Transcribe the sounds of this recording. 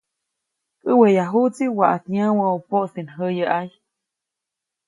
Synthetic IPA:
kʼəwejaɦut͡siwaʔat̪ɲãwə̃opoʔsinɦəjəʔaj

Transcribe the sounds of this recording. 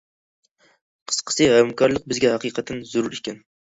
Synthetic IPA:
qʰə̥sqʰə̥sɨɛmkʰɒɾlˠɨq̚bɪzɡʲɛhɑqʰijqʰɑt̪ʰɪnzʊɾuɾɪkʲɛn

